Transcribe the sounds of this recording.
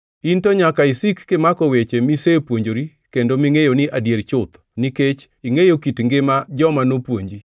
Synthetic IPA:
intoɲakaɪsikːɪmakɔwet͡ʃemisepwoɲd͡ʒoɾi | kendomiŋejonɪʔadjeɾt͡ʃʊt̪ | niket͡ʃ | iŋejokitŋɡɪmad͡ʒɔmanopwoɲd͡ʒi

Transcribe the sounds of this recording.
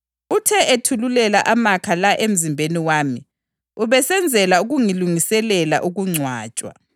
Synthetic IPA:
utʰɛʔetʰululɛlaʔamakʰalaʔem̩zimbʱeniwaːmi | uβɛsɛnd͡zʱɛlauɣuŋiluŋisɛlɛla̰ʔuɣuŋ͡ǀʱwaːt͡ʃʼwa̰

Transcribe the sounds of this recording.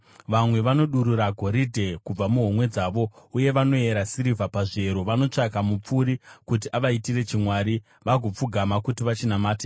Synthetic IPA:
ʋamwe̞ʋano̞ɗuɾuɾaɡʱo̞ɾidʱe̞kub͡vamuɦomwe̞d͡zaːʋo̞uje̞ʋano̞e̞ɾasiɾivapaʐe̞ɾoʋano̞t͡ʂakamup͡fuɾikut̬iʔaʋaitire̞t͡ʃimwaːɾi | ʋaɡʱop͡fuɡʱamakutiʋat͡ʃinamaːte

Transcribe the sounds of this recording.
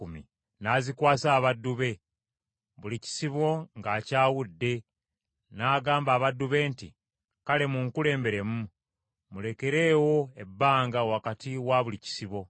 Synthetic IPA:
umḭ | naːzikwaːsaːβadːuβe̞ | βulici̥siβo̞ŋɡaːcaːwudːe̞ | naːɡaːmbaːβadːuβe̞ːnti | kale̞muŋkule̞ːmbe̞ɾe̞mu | mule̞ke̞ɾeːwo̞ebːaːŋɡawakatiwaβulici̥siβo̞

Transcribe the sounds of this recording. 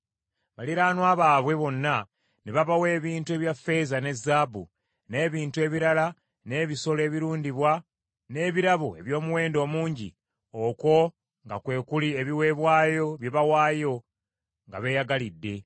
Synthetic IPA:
βaliɾaːnwaːβaːβwe̞βo̞nːa | neβaβawe̞ːβiːntue̞βjafe̞zane̞zːabṵ | ne̞ːβiːntue̞ːβiɾala | ne̞ːβiso̞le̞ːβiɾuːndiβwa | ne̞ːβiɾaβue̞βjo̞ːmuwe̞ːndo̞ːmuːɲɟḭ | o̞ko̞ | ŋɡa̰kwe̞ːkulieβiwe̞ːβwaːjo̞βjeβawaːjo̞ | ŋɡa̰βe̞jaɡalidːe̞

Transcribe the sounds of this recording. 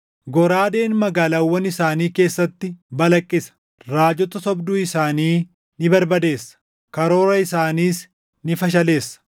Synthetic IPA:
ɡɔɾaːd̪e̞ːnmɐɡaːlaːwːɐnɪsaːniːke̞ːsːɐt̪ːɪbɐlɐkʼːɪsɐ̥ | ɾaːd͡ʒɔt̪ɐsɔbd̪uːɪsaːniː | nɪbɐɾbɐd̪e̞ːsːɐ̥ | kɐɾoːɾɐɪsaːniːs | nɪfɐʃ̬ɐle̞ːsːɐ̥

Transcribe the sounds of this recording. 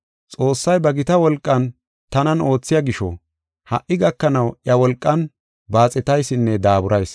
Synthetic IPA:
t͡sʼo̞ːsːɐjbɐɡɪt̪ɐwɔlkʼːɐn | t̪ɐnɐno̞ːt͡sːɪjɐɡɪʃɔ̰ | hɐ̰ʔːɪɡɐkːɐnɐwjɐwɔlkʼːɐn | baːt͡sʼɛt̪ɐjsɪnːɛd̪aːbʊɾɐjs

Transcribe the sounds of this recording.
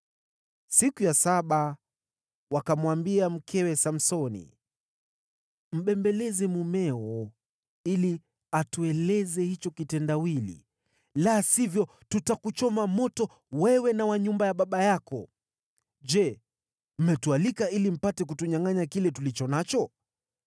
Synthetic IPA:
sikujasaɓa | wakamwambiam̩kʰɛwɛsam̩sɔnḭ | m̩ɓɛmbɛlɛzɛmumɛwɔ | ili | atuɛlɛzɛhit͡ʃɔkitɛndawilḭ | lasivjɔ | tutakut͡ʃɔmamɔtɔ | wɛwɛnawaɲumbajaɓaɓajakɔ | d͡ʒɛ | m̩mɛtualikailim̩patɛk̬utuɲaŋaɲakilɛtulit͡ʃɔnat͡ʃɔ

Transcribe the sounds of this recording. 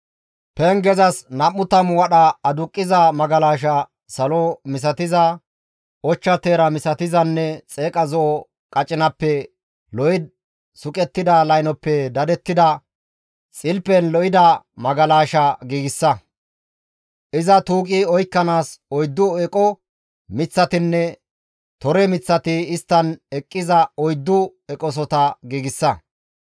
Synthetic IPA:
pɛŋɡɛzɐsnɐmːʊt̪ɐmwɐɗɐɐd̪ʊkʼːɪzɐmɐɡɐlaːʃɐ | sɐlɔmɪs̬ɐt̪ɪzɐ | ʔɔt͡ʃːɐt̪eːɾɐmɪsɐt̪ɪzɐnːɛt͡sʼe̞ːkʼɐzɔʔɔ | kʼɐt͡ʃʼːɪnɐpːɛ | lɔɪd̪̚ | sʊkʼɛt̪ːɪd̪ɐlɐjnɔpːɛd̪ɐd̪ɛt̪ːɪd̪ɐ | t͡sʼɪlpɛnlɔʔɪd̪ɐmɐɡɐlaːʃɐɡiːɡɪsːɐ | ʔɪzɐt̪uːkʼɪɔjkːɐnaːsɔjd̪ːʊɛkʼɔ | mɪt͡sːɐt̪ɪnːɛ | t̪ɔɾɛmɪt͡sːɐt̪ɪːst̪ːɐnɛkʼːɪzɐɔjd̪ːʊ | ɛkʼɔs̬ɔt̪ɐɡiːɡɪsːɐ

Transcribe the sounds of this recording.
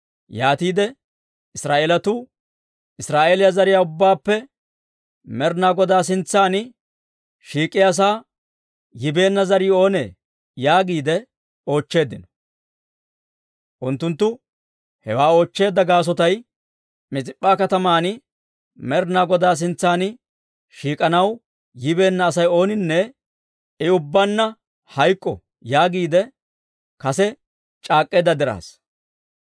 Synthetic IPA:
jaːt̪iːd̪ɛ | ɪsɾaːʔeːlɐt̪ʊ | ɪsɾaːʔeːlɪjɐzɐɾɪjaːʊbːaːpːɛ | mɛɾnaːɡɔd̪aːs̬ɪnt͡sːaːn | ʃiːkʼːɪjas̬aː | jɪbe̞ːnːɐzɐɾiːo̞ːnḛː | jaːɡiːd̪ɛ | o̞ːt͡ʃːe̞ːd̪ɪnɔ̥ | ʔʊnt̪ːʊnt̪ːʊ | hɛwaːo̞ːt͡ʃːe̞ːd̪ːɐɡaːs̬ɔt̪ɐj | mɪt͡sʼɪpʼːaːkɐt̪ɐmaːnɪ | mɛɾnaːɡɔd̪aːs̬ɪnt͡sːaːnɪ | ʃiːkʼɐnɐw | jɪbe̞ːnːɐːsɐjo̞ːnɪnːɛ | ɪʊbːɐnːɐ | hɐjkʼːɔ̰ | jaːɡiːd̪ɛ | kɐsɛ | t͡ʃʼaːkʼːeːd̪ːɐd̪ɛɾa̰ːs

